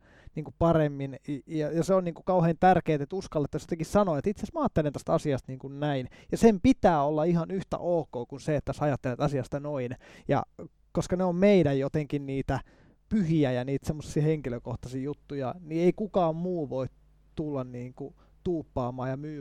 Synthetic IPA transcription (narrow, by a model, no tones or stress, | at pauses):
niːŋkupɑremːinjɑjɑseonniːŋkukɑuheːnt̪ærkeːt̪et̪uskɑlːet̪ːæsejot̪eŋkissɑnoet̪it̪sesmɑːt̪ːelent̪æst̪ɑsiɑst̪niːŋkunnæinjɑsempit̪æːolːɑihɑnyht̪æ̰ʔoːkoːkunseet̪ːæsɑjɑt̪ːelet̪ɑsiɑst̪ɑnoinjɑ̰ | koskɑneommeiɾæjjot̪eŋkinniːt̪æ | pyhiæjɑniːt̪semːosːiɑheŋkiløkoht̪ɑsiːjut̪ːujɑnieikukɑːmmuːʋoit̪ | t̪ulːɑnniːŋku | t̪uːpːɑːmɑːjɑmyː